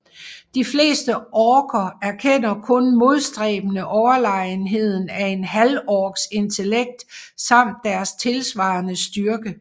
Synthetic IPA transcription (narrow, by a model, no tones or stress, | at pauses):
d̥ifle̝̰ːsd̥əʔɒːɡ̥ɐæɐkʰen̰ɐkʰɔ̽nmo̝ð̞ˠsd̥ʁɛ̰ːb̥ənəʔɒʊɐlɑ̈ɪnɦe̝ð̞̰ˠn̩æe̝nɦælɒɡ̥se̝nt͡sʰe̝leɡ̥̚d̥sɑ̈m̰d̥ːæɐst͡sʰe̝lsʋɑ̈nəsd̥yɐɡ̥ə